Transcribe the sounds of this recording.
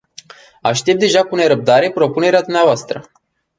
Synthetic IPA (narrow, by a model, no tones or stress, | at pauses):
aʃt̪e̞p̚d̪e̞ʒakune̞ɾəp̚d̪aɾe̞pɾo̞pune̞ɾead̪umneavoast̪ɾə